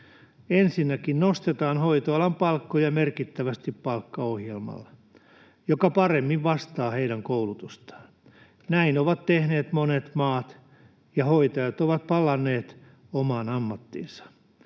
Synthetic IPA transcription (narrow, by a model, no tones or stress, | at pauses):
ensinːækinnost̪et̪ɑːnhoit̪oɑlɑmpɑlkːojɑmerkit̪ːæʋæst̪ippɑlkːɑohjelmɑ̰lːɑ | jokɑpɑremːiʋʋɑst̪ɑːheidæŋkoulut̪ust̪ɑ̥ːn | næinoʋɑt̪t̪ehneːt̪monet̪mɑːt̪ | jɑhoit̪ɑjɑt̪oʋɑt̪̚pɑlɑnːeːt̪ | omɑːnɑmːɑt̪ːḭnsɑ̥